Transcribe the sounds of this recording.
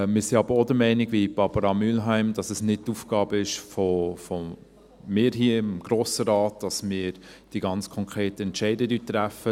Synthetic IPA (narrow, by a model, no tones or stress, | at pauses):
mɪːɾsiɑb̥əɾodəmɛɪniɡʋib̥ɑb̥ɑɾɑmylɦæɪmdɑsəsnɪd̚tufɡ̥ɑːbəɪʃfɔfɔ | mɪːɾɦiːəɪmɡ̥ɾoːsəɾɑːt̚d̥ɑsmɪːɾd̥iɡɑnt͡skʰɔŋkʰɾeːtəɛntt͡ʃɛɪdədyːt̪ːɾæfə